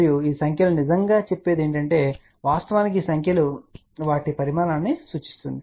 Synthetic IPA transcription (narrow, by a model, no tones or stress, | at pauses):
juiːsɐŋkʰjɐlunid͡ʒɐŋɡaːt͡ʃe̞pːe̞ːd̪eːɳʈɐɳʈe̞ː | ʋaːst̪ɐʋaːnik̬iːsɐŋkʰjɐlu | ʋaːʈipɐɾimaːɾaːnːisuːt͡ʃi̥st̪und̪i